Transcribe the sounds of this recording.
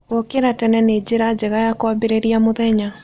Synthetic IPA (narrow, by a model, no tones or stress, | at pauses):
okeɾatɛnɛned͡ʑeɾad͡ʑeɣajakwabeɾeɾiamoðɛɲa